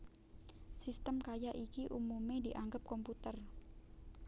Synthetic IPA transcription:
sist̪əmkajaʔikiʔumumed̥̪iʔaŋɡəp̚kɔmput̪ər

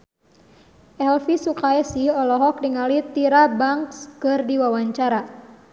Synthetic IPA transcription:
ʔɛlfisukaɛsiɔlɔɦɔk̚diŋalit̪iɾabaŋkskɨrdiwawaɲt͡ʃaɾa

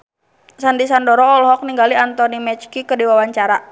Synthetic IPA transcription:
sandisandɔɾɔːlɦɔk̚niŋɡaliant̪ɔnimɛt͡ʃkikədiwawaɲt͡ʃaɾa

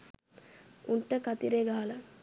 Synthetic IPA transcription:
uɳʈəkat̪iɾeːɡaɦala

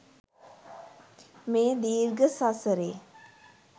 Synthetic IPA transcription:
meːd̪iːɾɡəsasəɾeː

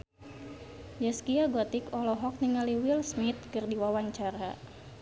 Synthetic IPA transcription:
d͡ʒɛskiaɡɔt̪ikɔlɔɦɔk̚niŋaliwilsmit̪̚kɨrdiwawaɲt͡ʃaɾa

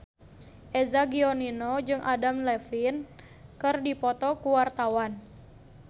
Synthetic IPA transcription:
ʔezaɡiɔninɔd͡ʒɨŋʔadamlɛfin | kɨrdipɔt̪ɔkuwart̪awan

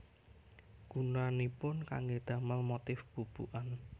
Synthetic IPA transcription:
ɡ̥unanipʊnka̰ŋɡed̪̥a̤məlmot̪ɪfb̥ub̥ṵʔan

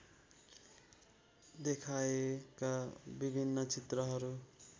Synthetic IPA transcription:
d̪ekʰaekabibʱinːʌt͡sit̪rʌɦʌɾu

